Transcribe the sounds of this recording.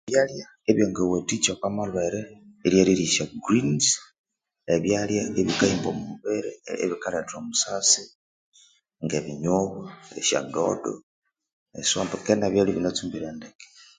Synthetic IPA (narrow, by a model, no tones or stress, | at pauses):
eβjalja | eβjoŋɡewetit͡ʃakamalweɾeeljeliɾiʃaɡɾins | eβjaljaeβikaiːmbomuβeɾeḛβikaletomusasi | ŋɡeβiɲoβoḛʃa̰ndo̰do̰ | esombekenaβjaliβinet͡sumbiɾeːndeke̥